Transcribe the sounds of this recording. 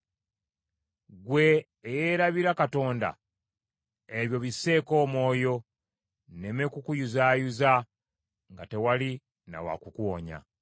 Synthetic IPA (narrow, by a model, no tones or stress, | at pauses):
ɡwe̞ː | jeɾaβiɾakato̞ːnda̰ | eβjo̞βisːe̞ːko̞ːmo̞ːjo̞ | ne̞mekukujuzaːjuza | ŋɡate̞wali | na̰wa̰kukwo̰ɲa̰